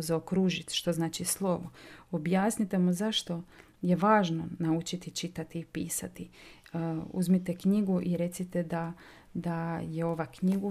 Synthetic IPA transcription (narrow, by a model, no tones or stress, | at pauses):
zaokɾuːʒit̪ʃt̪o̞znaːt͡ʃislˠo̞ʋoobjaːsnit̪e̞muzaʃt̪o̞ | je̞ʋaːʒno̞naut͡ʃit̪it͡ʃit̪at̪iːpiːsat̪i | ṵzmit̪e̞kɲiɡuʔiɾe̞t̪sit̪ed̪a | d̪ajeo̞ʋakɲiɡu